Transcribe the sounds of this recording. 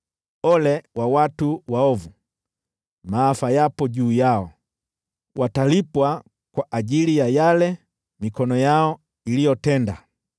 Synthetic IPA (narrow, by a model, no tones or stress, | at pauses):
ɔlɛwawatuwaɔvu | maːfajapɔɟuːjaɔ | wʔatalipwa | kwaʔaɟilijajalɛ | mikɔnɔjaɔ | ilijɔtɛnda